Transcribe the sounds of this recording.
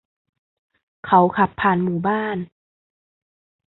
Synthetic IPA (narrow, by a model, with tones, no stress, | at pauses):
kʰa˦˥wkʰa˧˩pʰːaː˧˨nmuː˨˩baː˥˩˨n